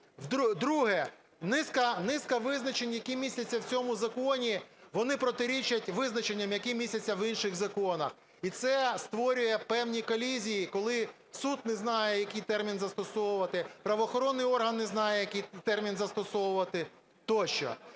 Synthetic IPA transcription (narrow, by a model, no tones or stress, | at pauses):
wd̪d̪ɾuɦɛ | nɪskɐnɪskɐʋɪznɐt͡ʃenʲjɐkimʲisʲlʲɐt͡sʲːɐwt͡sʲɔmʊzɐkɔnʲiʋɔnɪpɾɔt̪ɪɾʲit͡ʃɐtʲʋɪznɐt͡ʃenʲːɐmjɐkimʲisʲɐt͡sʲːɐʋinʃɪɣzɐkɔnɐ̰x | it̪sɛst̪ʋɔɾʲʊjɛpɛwnʲikɔlʲizʲijikɔlˠɪ | sud̪̚neznɑjɛjɐkɪjt̪ɛrmʲinzɐst̪ɔsɔwʊʋɐt̪ɪpɾɐʋɔːxɔɾɔnːɪjɔrɦɐnːeznɑjɛjɐkɪjt̪ɛrmʲinzɐst̪ɔsɔwʊʋɐt̪ɪ | t̪ɔʃt͡ʃɔ̰